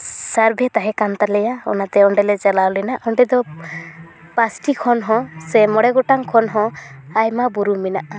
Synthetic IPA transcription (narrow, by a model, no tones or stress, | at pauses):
saɾbʱɛt̪aɦɛ̃kant̪alɛjaɔ̰nat̪ɛɔɳɖɛlɛt͡ʃɛlawlɛnaʔɔɳɖɛd̪ɔ | pasʈikʰɔnɦɔ̃sɛmɔɽɛɡɔʈaŋkʰɔnɦɔ̃ajmabuɾuminaʔa